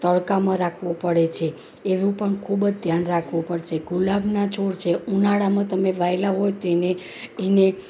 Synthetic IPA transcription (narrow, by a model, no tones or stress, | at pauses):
t̪əɭkamãɾakʰʋũpəɽet͡ʃʰeː | ʋũpəɳkʰubd͡ʒd̪ʱjanɾakʰʋũpəɽt͡ʃʰeɡulabʱnat͡ʃoɽt͡ʃʰeunaɽamãt̪əmeʋʱajlaɦojt̪ene | ene